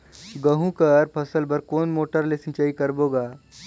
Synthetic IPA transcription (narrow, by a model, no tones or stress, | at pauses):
ɡəɦũkɐɾpʰɐsəlbəɾkoːnmoːʈəɾlesɪ̃t͡ʃaːikɐɾboːɡaː